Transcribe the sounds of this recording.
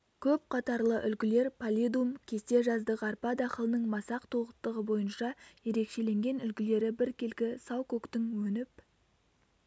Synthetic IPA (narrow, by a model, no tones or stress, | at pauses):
kʲʰɵp̚qʰɑt̪ɑɾlˠəʔʏlɡʲɪle̞ɾpʰalʲid̪umkʲʰe̞st̪e̞ʒɑzd̪əʁəɑrpɑd̪ɑχəlˠənəɴmɑsɑqt̪ʰoʁət̪ːəʁəbo̞jənʃɑje̞ɾe̞kʃe̞le̞ŋɡʲe̞nʏlɡʲɪle̞ɾɪbɪɾkʲe̞lkʲɪsɑwkʲʰɵkt̪ɪŋwɵnɪp̚